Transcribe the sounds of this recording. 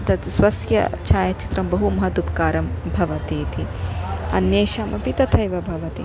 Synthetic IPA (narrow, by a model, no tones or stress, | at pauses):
t̪ɐt̪swɐsjɐ̰t͡ʃʰaːjɐt͡ʃi̥t̪ɾɐmbɐɦumɐɦɐd̪upkaːɾɐmbʱɐʋɐt̪iːt̪ʰiɐ̰njeːʃaːmɐpit̪ɐt̪ʰɐjʋɐbʱɐʋɐt̪ḭ